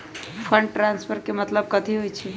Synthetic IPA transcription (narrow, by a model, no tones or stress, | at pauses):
pʰəɳɖʈɾanspʰəɾkemət̪ləb̚kət̪iɦojt͡ʃʰi